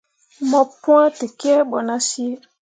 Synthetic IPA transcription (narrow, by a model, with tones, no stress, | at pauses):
mɔ̃˨pũ˦ã˦te˨ki˦ɛ˦ɓɔ˨nã˦si˦e˦